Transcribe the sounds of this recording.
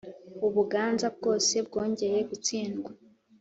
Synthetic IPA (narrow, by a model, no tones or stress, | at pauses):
uβuɡaːnzabɡo̞ːse̞bɡo̞ːɲɟe̞ɾe̞ɡut͡siːnɡwa